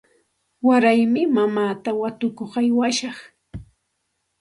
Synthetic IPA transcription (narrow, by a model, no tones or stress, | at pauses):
waɾajmɪmamaːt̪awat̪ʊkoχajwaʃɑχ